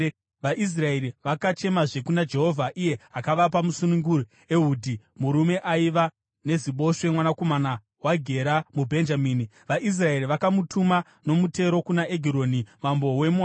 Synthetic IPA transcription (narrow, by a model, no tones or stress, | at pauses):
ʋaʔis̬rae̞ɾiʋakat͡ʃe̞maʐe̞kunad͡ʒe̞ɦo̞vʱaʔije̞ɦakaʋapamusunuŋɡuɾu | e̞ɦuːdʱi | muɾume̞ʔaiʋa | ne̞ziɓo̞ʃemwanako̞mana | waɡʱe̞ɾamubʱe̞nd͡ʒamiːni | ʋaʔis̬rae̞ɾiʋakamutʰuma | no̞mute̞ɾo̞kunaʔeɡʱiɾo̞ːnimambo̞we̞mua